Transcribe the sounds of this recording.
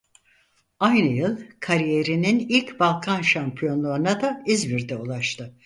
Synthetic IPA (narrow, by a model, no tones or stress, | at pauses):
ajnɯjɯlˠkʰaɾijeɾininilʲcbalˠkʰanʃampʰijo̞nlˠaɾunad̪aizbiɾd̪ɛulˠaʃt̪ʰɯ